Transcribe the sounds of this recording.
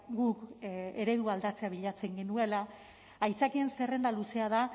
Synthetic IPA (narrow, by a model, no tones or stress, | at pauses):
ɡuke̞ɾe̞ðuald̪at͡se̞aβiʎat͡se̞ŋɡe̞nue̞laː | jt͡sakie̞nsere̞nd̪aluse̞aða